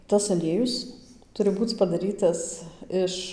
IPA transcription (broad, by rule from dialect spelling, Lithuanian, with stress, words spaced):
tɐs ɐˈlʲiɛjʊs ˈtʊrʲɪ ˈbuːt͡s pɐdɐˈrʲiːtɐs ˈɪʃ